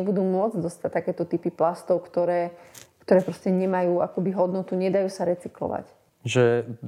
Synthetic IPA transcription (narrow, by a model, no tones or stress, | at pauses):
ɛbud̪uːmʊɔd͡zd̪ɔst̪at̪akɛːt̪ɔt̪ipiplast̪ɔʊkt̪ɔɾɛːkt̪ɔɾɛːpɾɔscɛɲɛmajuːakɔbiɦɔd̪nɔt̪uɲɛd̪ajuːsaɾɛt͡siklɔ̰ʋa̰c | ʒɛ